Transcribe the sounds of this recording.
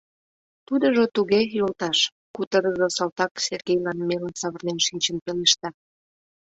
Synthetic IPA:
t̪ud̪əʒot̪uɣejolt̪ɑʃ | kut̪əɾəzəsɑlt̪ɑkserɣejlɑnmelənsɑβərnenʃinʲt͡ɕənpeleʃt̪ɑ

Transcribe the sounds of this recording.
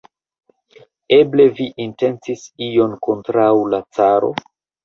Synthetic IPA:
e̞ble̞viʔinte̞nt͡sisijo̞nko̞ntɾaulat͡saɾo̞̰

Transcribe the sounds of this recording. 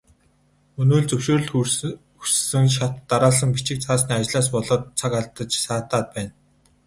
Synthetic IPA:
ɵnuːɮt͡sɵwʃoːrɵ̆ɮ | u̥ssɘ̆ŋʃat̪ːaɾaːs̬ə̆ŋpit͡ɕɪ̆k̚t͡sʰaːsniːat͡ɕɮaːs̬pɔɮɔːt̪̚t͡sʰakaɮt̪ə̆t͡ɕsaːt̪aːt̪̚pæːn

